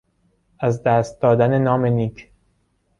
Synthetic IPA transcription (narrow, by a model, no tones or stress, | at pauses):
æzd̪æːst̪̚d̪ɒːd̪ænenɒːme̞niːkʰ